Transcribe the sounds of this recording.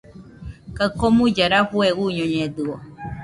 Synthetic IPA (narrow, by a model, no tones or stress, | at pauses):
kakomũd͡ʒaɾaɸueuɲõɲẽd̪ɯo